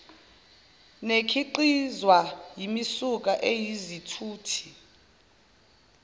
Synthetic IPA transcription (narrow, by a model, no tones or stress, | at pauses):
nekʰiǃizwajimisuk̬ʼaʔejizitʰuːtʰi̥